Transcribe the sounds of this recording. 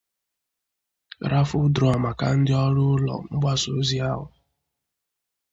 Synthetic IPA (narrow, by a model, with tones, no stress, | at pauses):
ɾa˦fʊ˦dɾɔ˨a˨ma˨ka̰˨n̩˦dɪ˦ɔ˦ɾʊ˦ʊ˦lɔ̰˨ŋ͡m̩˦ɡ͡ba˦so˨˦zi˦a˦ɦʊ˨